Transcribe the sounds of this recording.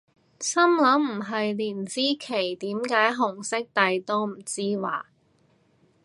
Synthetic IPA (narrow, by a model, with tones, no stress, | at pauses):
sɐ˥mlɐ˨˥mm̩˨˩ɦɐ˨jliː˨˩nsiː˥kʰe˨˩jt̪iː˨˥mkaː˨˥jɦʊ˨˩ŋsɪ˥k̚t̪ɐ˨jt̪o˥wm̩˨˩t͡siː˥wa̰ː˨˩